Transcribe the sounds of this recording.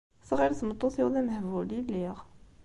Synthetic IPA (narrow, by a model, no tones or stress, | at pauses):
sˤʁiɾt̪mət̪ˤːuθiwðæməhvuliliʁ